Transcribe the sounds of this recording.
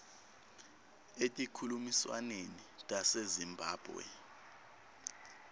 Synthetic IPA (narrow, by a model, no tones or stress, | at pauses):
etʼikʰulumiswa̰nenitʼasezimbʱaːb̥ʱwɛ̰